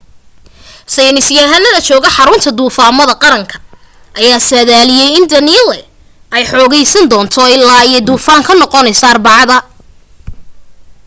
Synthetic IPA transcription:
sɐjnɪsɪjaɦɐnɐðɐt͡ʃɔːɣɐħɑɾʊnt̪ʰɐd̪uːfaːmɐðɐqɑɾɐŋkʰɐ̥ | ʔɐjaːsɐðaːlɪjɛjɪnd̪ɐnilɛ | ɛjħɔːɣɛjsɐnd̪ɔːnt̪ʰɔɪlːaːiɛd̪uːfaːŋkʰɐnɔqɔnɛjsɐːrbɑʕɑðɐ

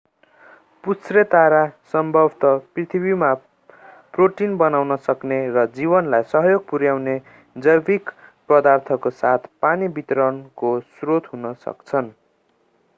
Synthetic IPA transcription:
put͡sret̪aɾasʌmbʱʌbʱt̪ʌprit̪ʰibima | proʈinbʌnawnʌsʌknerʌd͡zibʌnlajsʌɦjoɡ̚puɾjawne | d͡zʌjbikpʌd̪art̪ʰʌkosat̪ʰpanibit̪ɾʌnkosrot̪ɦunʌsʌ̰kt͡sʰʌn

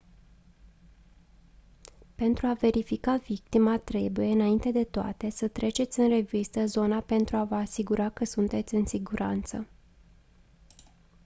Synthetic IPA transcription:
pe̞nt̪ɾuave̞ɾifikavik̚t̪imat̪ɾe̞buje̞ɨnaint̪e̞d̪e̞t̪oa̰t̪e̞sət̪ɾe̞t͡ʃe̞t̪sʲɨnre̞vist̪əzo̞nape̞nt̪ɾuavəasiɡuɾakəsunt̪e̞t̪sʲɨnsiɡuɾʔant̪sə

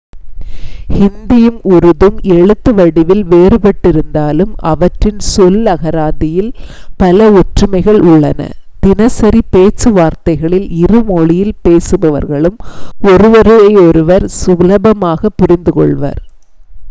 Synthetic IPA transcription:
hɪnd̪ɪjɯmʊɾɯðɯmɛɻɯt̪ːɯʋɐɽɪʋɪlʋeːɾɯpɐʈːɪɾɯnd̪aːlɯmɐ̰ʋɐʈrɪnsɔlɐɣɐɾaːðɪjɪlpɐlɐʊʈrɯmɐɪɣɐɭʊɭːɐnɐ̰d̪̥ɪnɐsɐɾipeːt͡ʃːɯʋaːɾt̪ɐɪɣɐɭɪlɪrɯmɔɭɪjɪlpeːsɯbɐʋɐ̰ɾɣɐɭɯmɔɾɯʋɐɾɯɐɪɔɾɯʋɐɾsʊlɐbɐmaːɣɐpːʊɾɪnd̪ɯkɔ̰ɭʋɐ̰ːɾ

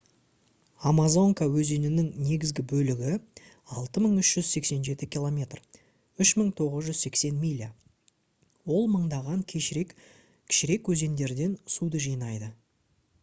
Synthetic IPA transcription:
amazo̞ŋkawɵze̞nɪnɪŋne̞ɡʲɪzɡʲɪbɵlɪɡʲɪ | ɑlˠt̪əməɴʏʃʒ̥ʏz̥se̞kse̞nʒe̞t̪ɪkʲilˠo̞mʲe̞t̪r | ʏʃməɴt̪ʰo̞ʁəzʒʏzse̞kse̞nmʲilʲa̰ | wo̞lˠməɴd̪ɑʁɑŋkʲʰek | kʲʰɪ̥ʃɪɾe̞kwɵze̞nd̪e̞ɾd̪e̞nsud̪əʒijnɑjd̪ə

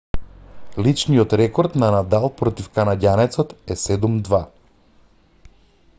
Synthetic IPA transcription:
lit͡ʃnijɔt̪ɾɛkɔɾt̪nanad̪alˠpɾɔt̪ifkanaɟʲanɛt̪sɔt̪ɛsɛd̪umd̪va

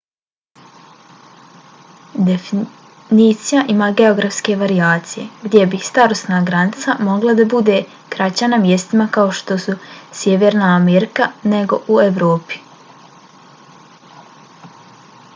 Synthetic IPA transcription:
d̪efi | niːt̪sijaʔimaːɡe̞o̞ɡɾafske̞ʋaɾiaːt̪sije̞̰ɡd̪je̞bist̪aɾosnaːɡɾanit̪samo̞ɡlˠad̪abud̪e̞ | kɾat͡ɕanamje̞st̪imakao̞ʃt̪o̞susjeʋe̞ːɾnaːmeɾikane̞ɡo̞ʔue̞ʋɾoːpi̥

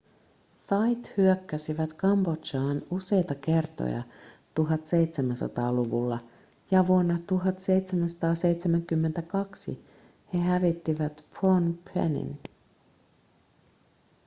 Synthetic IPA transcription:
fɑjt̪hyøkːæsiʋæt̪kɑmbo̞t͡ʃɑːnuse̞jt̪ɑke̞rt̪o̰jɑ̰t̪uɦɑt̪se̞jt̪semænsɑ̰t̪ɑːluʋulːɑ | jɑʋuonːɑt̪uɦɑt̪se̞jt̪semænsɑ̥t̪ɑːse̞jt̪semæŋkymːe̞nt̪ækɑksḭ | he̞ɦæʋit̪ːiʋæt̪pʰonpʰḛnḭn

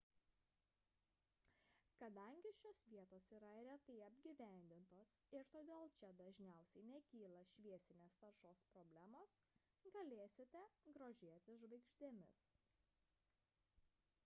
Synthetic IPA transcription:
kɐd̪ɐˑŋʲɡʲɪʃʲoːsʋʲiɛt̪oːsiːɾɐɾʲɛt̪ɐɪɐbʲɡʲiːʋʲæˑnʲd̪ʲɪnt̪oːsɪɾt̪oːd̪ʲeːlˠt͡ʃʲɛd̪ɐʒʲnʲæˑʊsʲɛɪnʲɛkʲiːlˠɐʃʲʋʲiɛsʲɪnʲeːst̪ɐɾʃoːspɾɔbʲlʲæmoːs | ɡɐlʲeːsʲɪt̪ʲɛɡɾoːʒʲeːt̪ʲɪʒʋɐɪkʃʲt̪ʲeːmʲɪs

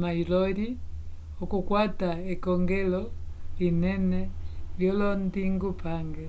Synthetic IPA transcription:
mailɔɾi | ukukwataikɔŋɡɛlɔlinɛnɛljɔlɔndiŋɡupʰaŋɡɛ

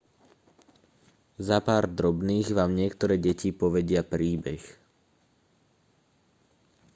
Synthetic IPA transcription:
zapaːɾd̪ɾɔbniːɣʋaːmɲɪɛkt̪ɔɾɛːɟɛcipɔʋɛɟɪapɾiːbɛx

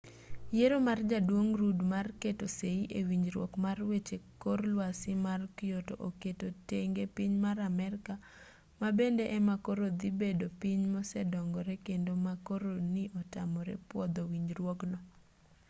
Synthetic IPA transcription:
jeɾomard͡ʒadwoŋɾudmarketoseiʔewiɲd͡ʒɾwɔkmarwet͡ʃekorlwasɪmarkɪjoto̰ʔoketoteŋɡepiɲmaɾamɛɾka | mabendeʔɛmakoɾod̪ibedopiɲmɔsɛdɔŋɡɔɾekendomakoɾonɪʔɔtamɔɾḛpwɔd̪ɔwiɲd͡ʒɾwɔknɔ

